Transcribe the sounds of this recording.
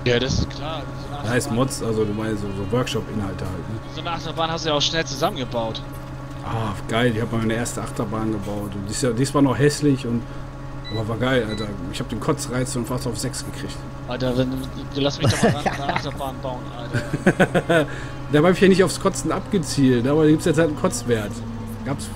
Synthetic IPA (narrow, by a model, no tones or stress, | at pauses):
jaːɾasɪ̥skʰl̥ḁː | ahaɪstmɔt͡sʔalzoduːmaɪzoːzoːvœɐkʃɔpʔɪnhaltəhaltnəzoːnəʔaχtɐbaːnhasd̥ujaʊʃnɛlt͡suzamənɡəbaʊt | ʔaːɡ̥aɪlɪçhaːbəmamaɪnəʔeːɐstəʔaχtɐbaːnɡəbaʊtʊnt̚d̥iːsadiːsv̥aːɐnɔχhɛslɪçʊnt | ʔaːbɐvaːɐɡaɪlʔaltɐ | ɪçhaːbədeːnkʰɔt͡sʁaɪt͡sfɔnnfaːstaʊfz̥ɛksɡ̥əkʁ̥ɪçt | ʔaltavɛn | duːlastmɪçdɔatɐbaːnbaʊənʔa̰lt | d̥aːbabɪçjanɪçtaʊfskʰɔt͡sn̩ʔapɡ̥ət͡siːltnəaːbɐdaɡiːptsjɛt͡shaltn̩kʰɔt͡sv̥ɛːɐt | ɡ̥aːps